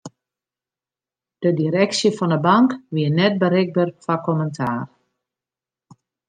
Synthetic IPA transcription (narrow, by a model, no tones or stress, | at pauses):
d̥ədiɾɛksjəfɔndəbaŋkʋiənɛt̚bəɾɪɡ̚bərfakoməntʰaːr